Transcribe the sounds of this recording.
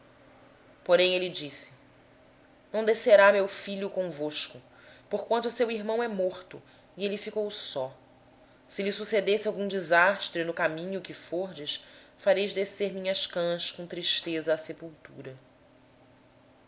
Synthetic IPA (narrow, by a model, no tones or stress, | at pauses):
poɾẽj̃elɪd͡ʒisɪ̥ | nɐ̃w̃d̪eseɾamewfiʎʊkõvoʃkʊ | poɾkwɐ̃nt̪ʊsewiɾmɐ̃w̃ɛmoχt̪ʊ | ielifikowsɔ | sɪlɪsused̪esɪawɡũd͡ʒizaʃt̪ɾɪnʊkamĩɲʊkɪfoɾd͡ʒɪʃfaɾejzd̪eseɾmʲĩɲɐʃkɐ̃skõt̪ɾiʃt̪ezɐːsepuwt̪uɾɐ